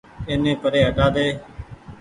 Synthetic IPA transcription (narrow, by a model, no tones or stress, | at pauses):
eːnẽːpəɾeːɦəʈaːd̪eː